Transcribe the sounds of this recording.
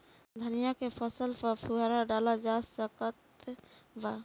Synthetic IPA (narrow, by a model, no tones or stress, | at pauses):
d̪ʱənijakepʰɔsəlpɔɾpʰuɦaɾaɖalad͡ʒast͡ʃɔkət̪ | ba